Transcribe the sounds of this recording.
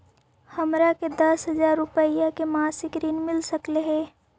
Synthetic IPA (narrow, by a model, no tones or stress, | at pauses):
hɐmɾaked̪ɐsɦɐzaːɾːʊpəijakemaːsɪkɾiːnmɪlsɐkleɦɛː